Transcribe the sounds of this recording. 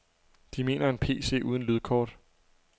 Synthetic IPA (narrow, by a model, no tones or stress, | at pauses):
d̥ime̝̰ːnɐe̝npʰe̝̰ːse̝̰ːʔuːð̞ˠn̩lyð̞ˠkʰɒ̰ːd̥